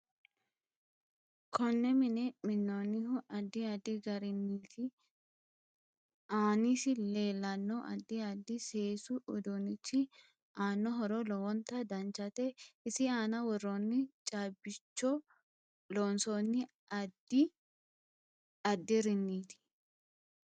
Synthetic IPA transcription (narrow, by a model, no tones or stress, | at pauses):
kʰɔnːɛmɪnɛmɪnːonːɪɦʊʔɐd̪ːɪɐd̪ɪɡɐɾɪnːiːt̪ɪ | aːnisɪle̞ːlːɐnːɔʔɐ̰d̪ːɪɐd̪ːɪse̞ːsʊʔʊd̪ʊnɪt͡ʃːɪ | ʔaːnːɔɦɔɾɔlɔwɔnt̪ːɐd̪ɐnt͡ʃːɐt̪ɛɪsɪaːnɐwɔrːɔnːɪt͡ʃʼaːbɪt͡ʃːɔ | loːnsɔnːɪ | ɐd̪ːɪ | ɐd̪ːɪɾɪnːiːt̪ɪ̥